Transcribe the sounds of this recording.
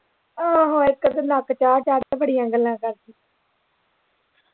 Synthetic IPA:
aːɦõːɪkːəd̪enakt͡ʃaːɾt͡ʃaːɾ̃bəɽɪjãːɡəlːãːkəɾd̪iː

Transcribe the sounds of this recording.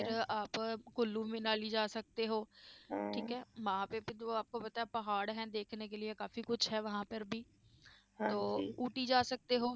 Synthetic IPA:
pʰɪɾaːpkʊlːũːmẽːnaːliːd͡ʒaːsək̚t̪eɦoːʈʰiːkɦɛːmãːpepɪt̪oaːp̚kopət̪aɛpɐɦaːɽɦɛ̃ːd̪eːkʰnek̬elɪekaːfikʊt͡ʃʰɦɛːʋɐɦãːpəɾbʱiː | t̪oːuːʈiːd͡ʒaːsək̚t̪eɦoː

